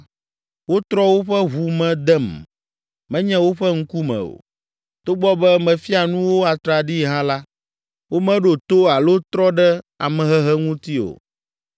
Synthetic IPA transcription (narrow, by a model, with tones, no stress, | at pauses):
wo˦t̪ɾɔ˦wo˦ɸɛ˦ɦu˨mɛ̃˨d̪ɛ˦m | mɛ̃˦ɲɛ̃˦wo˦ɸɛ˦ŋ̩˦ku˦mɛ̰̃˨o̰˨ | t̪o˦ɡ͡bɔ˦bɛ˦mɛ̃˨fi˦a˨nũ˦wo˦a˨t̪ɾa˨ɖi˦ɦã˦la˦ | wo˦mɛ̃˦ɖo˨t̪o˦a˨lo˦t̪ɾɔ˦ɖɛ˦a̰˨mɛ̃˨ɦɛ˦ɦɛ˦ŋũ˦t̪i˦o̰˨